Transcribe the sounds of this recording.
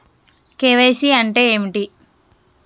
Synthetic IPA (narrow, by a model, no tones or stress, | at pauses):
keːʋejsiɐɳʈeːeːmiʈi